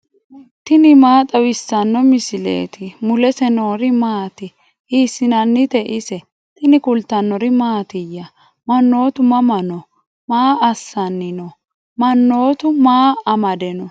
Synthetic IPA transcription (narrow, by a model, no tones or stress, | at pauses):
t̪ɪnɪmaːt̪ʼɐwɪsːɐnːɔmɪsɪlḛːt̪ɪmʊlɛsɛno̞ːɾɪmaːt̪ɪ | hiːsːɪnɐnːɪt̪ɛʔɪsɛ | t̪ɪnɪkʊlt̪ːɐnːɔɾɪmaːt̪ɪjːɐ | mɐnːo̞ːt̪ʊmɐmɐnɔ | maːɐsːɐnːɪnɔ | mɐnːo̞ːt̪ʊmaːɐmɐd̪ɛnɔ